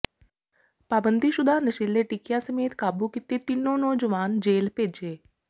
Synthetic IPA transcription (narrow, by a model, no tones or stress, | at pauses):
paːbənd̪iʃʊd̪ʱaːnəʃileʈɪkijãsəmeːt̪kaːbukɪt̪et̪ɪnːõːnɔːd͡ʒəʋaːnd͡ʒeːlpeːd͡ʒeː